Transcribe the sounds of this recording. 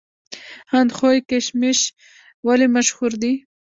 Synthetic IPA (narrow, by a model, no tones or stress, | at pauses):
hand̪xojkeʃmɪʃ | walimaʃhuɾd̪i